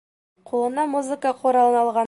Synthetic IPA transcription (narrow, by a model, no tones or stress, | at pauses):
qulˠɤ̆nɑmuzɨkəqʰoɾɑlˠɤ̆nɑlˠʁɑ